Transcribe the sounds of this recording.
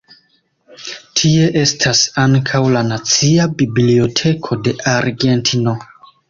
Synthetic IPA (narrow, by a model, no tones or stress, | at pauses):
tʰie̞ʔe̞stʰasaŋkʰawlanat͡siabiblio̞tʰe̞kʰo̞de̞ʔaɾɡe̞ntʰino̞